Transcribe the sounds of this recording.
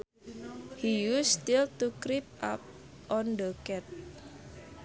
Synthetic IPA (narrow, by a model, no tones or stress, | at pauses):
hijust̪ilt̪ukɾip̚ʔa̰p̚ | ʔɔndəkɛt̪̚